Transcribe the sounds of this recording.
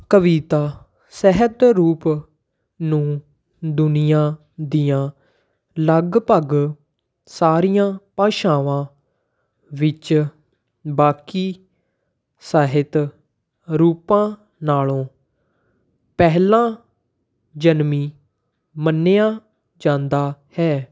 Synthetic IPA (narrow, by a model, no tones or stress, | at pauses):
kəʋiːt̪aː | sɛɦət̪ɾuːp | nũː | d̪ʊnɪjãː | d̪ɪjãː | ləɡpəɡ | saːɾijãːpãːʃaːʋãː | ʋɪt͡ʃ | baːkiː | saːɦɪt̪ | ɾuːpãː | naːlõː | pɛɦlãː | d͡ʒənmiː | mənːjaː | d͡ʒãːnd̪aːhɛː